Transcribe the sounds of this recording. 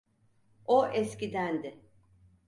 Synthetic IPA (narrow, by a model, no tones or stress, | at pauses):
oʔɛscid̪ænd̪ɪ